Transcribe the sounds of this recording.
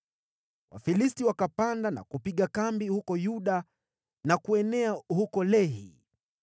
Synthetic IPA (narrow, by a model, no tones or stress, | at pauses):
wa̰filistiwakapandana̰kupiɠakambihukɔjuɗa | nakuɛnɛahukɔlɛɦḭ